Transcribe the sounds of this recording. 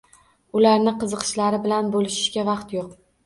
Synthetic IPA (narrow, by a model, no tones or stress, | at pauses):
ʊlaɾnɪqɨzɨqʰɨ̥ʃlaɾɪbɪlanbolɪʃɪ̥ʃɡʲavɑqt̪joq